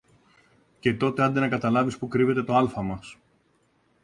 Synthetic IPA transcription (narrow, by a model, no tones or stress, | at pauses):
ce̞t̪o̞t̪e̞ɐnd̪enɐkɐt̪ɐlɐvispukɾive̞t̪e̞t̪o̞ɐlfɐmɐs